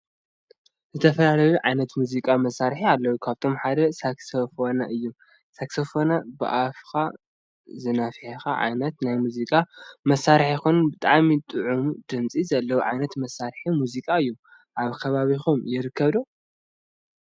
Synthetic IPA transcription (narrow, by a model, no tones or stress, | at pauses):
zɨt̪ʰɐfɐlalɐjuʕajnɐt̪muzikʼamɐsːaɾħialːɐwukʰaβt̪ʰo̞mħad̪ɐsaksɐfonaʔɨjːu | saksɐfonabɨ̰ʔafkʰa | zɨnafħexaʕa̰jnɐt̪najmuzikʼamɐsːaɾħjikonnbɨt̪ʼaʕmit̪ʼɨʕumud̪ɨmt͡sʼizɐlːɐwuʕajnɐt̪mɐsːaɾħimuzikʼaɨjːu | ʔaβkʰɐβaβixumjɪɾɨkʰːɐβd̪o